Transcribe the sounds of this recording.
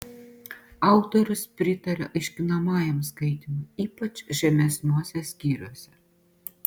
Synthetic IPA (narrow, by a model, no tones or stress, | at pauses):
ɑˑʊt̪oɾʲʊspʲɾʲɪt̪ɐɾʲɛ̰ʔɐɪʃʲkʲɪnɐmɑːjɛmskɐɪt̪ʲɪmʊiːpɐt͡ʃʲʒʲɛmʲɛsʲnʲuɔsʲɛsʲkʲiːɾʲuɔsʲɛ